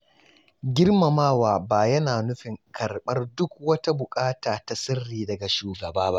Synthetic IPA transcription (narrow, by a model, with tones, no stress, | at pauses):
ɡʲɪ˦rma˨maː˦waː˨baː˨jɐ˦naː˨nʊ˦ɸɪ˨ŋkʰɐ˨rɓɐ˦rdʊ˦k̚wɐ˦ta˦bʊ˨kʼaː˦taː˨ta˨sɪ˦rːiː˨dɐ˨ɡa˨ʃuː˨ɡɐ˨baː˦ba̰˦ʔ